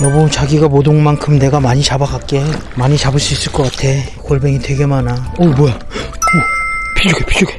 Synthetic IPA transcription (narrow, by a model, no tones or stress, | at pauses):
jʌbot͡ɕaɡiɡamodoŋmankʰɯmne̞ɡamaɲit͡ɕabaɡak̚k͈e̞maɲit͡ɕabɯɭs͈uis͈ɯɭk͈ʌk͈atʰe̞koɭbe̞ŋitwe̞ɡe̞manaomwʌja | kɯpʰid͡ʑuɡepʰid͡ʑuɡe